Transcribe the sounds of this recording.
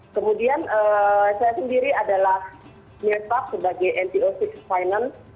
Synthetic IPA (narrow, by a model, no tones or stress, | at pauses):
kəmudianəsajasəndiɾiadalah | milt̚pak̚səbaɡajʔɛnt̪iosɪk̚sfajnans